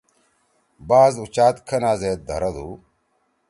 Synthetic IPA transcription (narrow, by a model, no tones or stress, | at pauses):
baːzut͡ɕaːt̪kʰɐnaːzeːt̪̚d̪ʱɐ̰ɾɐd̪uː